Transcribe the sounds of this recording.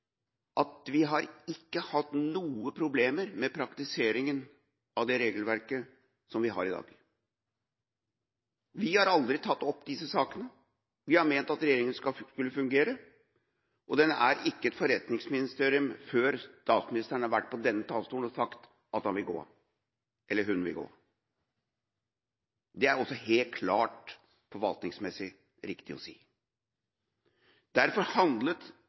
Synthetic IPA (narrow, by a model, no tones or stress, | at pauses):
ʔɑt̪ʋɪɦɑɾɪkːəhɑt̪nuːəpʰɾʊbleːməɾmɛpʰɾɑkt̪ɪseːɾɪŋən | ɑʋd̪ɛɾeːɡəlʋæɾkə | sɔmʋɪɦɑ̰ːɾɪd̪ɑ̰ːɡ̥ | ʋɪhɑɾɑld̪ɾɪt̪ʰɑt̪ːɔpːd̪ɪsəsɑːkənə | ʋɪhɑɾmeːnt̪ɑt̪ɾɛjeːɾɪŋənsɑskʉlːəfʉŋɡeːɾə | ʔɔd̪ɛnːəʔæɾɪkːəɛt̪fɔɾɛt̪nɪŋsmɪnɪst̪eːɾɪʉmføːɾt̪ɑːt̪smɪnɪst̪əɳ̩hɑɾʋæʈ̚ːpʰɔd̪ɛnːət̪ʰɑːlst̪uːnɔsɑkt̪ | ɑt̪hɑnʋɪlɡo̰ː | ʔɛlːəɦʉnʋɪ̰lɡo̰ː | d̪ɛæɾɔsːɔheːlt̪̚kʰlɑːʈ | fɔɾʋɑlt̪nɪŋsmɛsɪ | ɾɪkt̪ɪɔ̰sḭː | d̪æɾfɔɾhɑnd̪lət̪